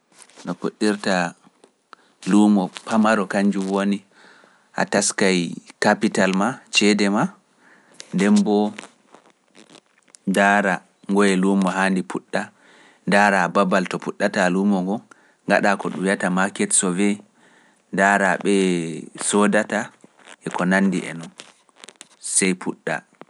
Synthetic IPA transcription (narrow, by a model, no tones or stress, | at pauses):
ɗɔpuɗːiɾta | lumɔpʰamaɾɔkaɲd͡ʒumwoni | ʔa̰taskajkapitalmat͡ʃɛdɛma | ndɛmbɔ | daɾa | ŋɡɔjɛlumːɔɦandipʰuɗːa | daːɾababaltɔpuɗːatalumɔŋɡɔ | ŋɡa̰ɗakɔɗujatamakɛtsɔvɛ | ndaɾaɓɛsɔdata | ʔɛkɔnanːdḭʔɛ̰nɔn | sɛjpʰuɗːa̰